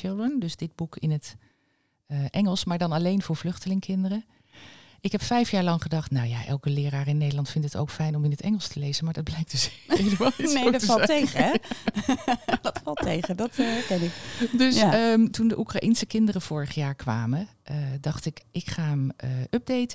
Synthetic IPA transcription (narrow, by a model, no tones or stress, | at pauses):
ɪlˠdəndɵzdɪd̚bukɪnətː | ʔɛŋəlˠsmaːɹdɑnɑlejnvʊːɹvlʏχtəlɪŋkʰɪndərə | ʔɪkɦɛpfɛjfjaːɹlɑŋχədɑχtnawja̰ʔɛ̰lˠkəlɪːɾaːrəɪnːejdəlɑntfɪntəto̰wkfɛjnɔmɪnətɛŋəlˠstəlejzənmaːɹdɑd̚blɛjk̚d̥əsejləmaːlˠineodfltejχəɛ | dɑtfɑlˠtʰejχədɑtɛɹkɛnɪkdɵsəmtundəʔukraʔinsəkɪndərəv̥ʊːɹəχjaːɹkʋaːməʔədɑχtɪkʔɪkχaːəməʔœb̚dejtə